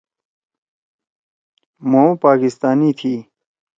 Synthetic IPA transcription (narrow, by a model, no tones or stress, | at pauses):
mõːpaːkist̪aːniːt̪ʰiː